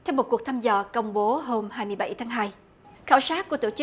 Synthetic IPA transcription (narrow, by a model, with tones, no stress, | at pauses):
t̪ʰɛ˧wmo˨˩t̚ku˨˩k̪̚ʰaː˧mzɔ̰˧˨˩kə˧wŋ͡mɓo˨˦ɦo˧mhaː˧jmɨ˧əjɓa̰˧˩jt̪ʰaː˨˦ŋɦaː˧j | xaː˧˩wsaː˦˥k̚ku˧˩ət̪o̰˧˩t͡ɕɨ˦˥